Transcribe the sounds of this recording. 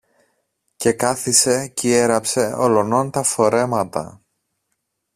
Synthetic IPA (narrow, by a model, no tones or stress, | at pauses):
ce̞kɐθise̞cie̞ɾɐpse̞o̞̰lo̞no̞nt̪ɐfo̞ɾe̞mɐt̪ɐ̰